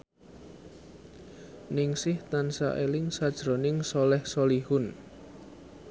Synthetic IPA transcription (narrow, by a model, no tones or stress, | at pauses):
nɪŋsɪht̪ansa̰ʔelɪŋsad̥ʒ̥ɾonɪŋsɔlɛhsolihʊn